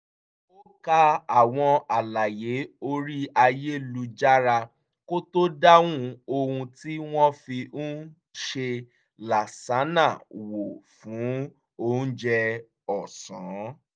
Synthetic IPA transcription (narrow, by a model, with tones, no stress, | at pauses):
o˦ka˧a˨w̃ɔ̃˧a˨la˨je˨˦o˧ɾi˦a˧je˦lu˧d͡ʒa˦ɾa˧ | ko˦to˦da˦wũ˦o˧hũ˧ti˦w̃ɔ̃˦fi˧˦ | ʃe˧ | la˨sa˨˦na˦˨wo˨fũ˨˦ | o˦d͡ʒɛ˧ | ɔ˨sã˨˦